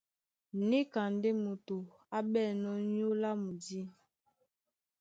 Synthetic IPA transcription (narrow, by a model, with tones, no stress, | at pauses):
ni˦ka˨nde˦mo˨to˨ | a˦bɓɛ˦˨nɔ˦ɲo˦la˦mu˨di˦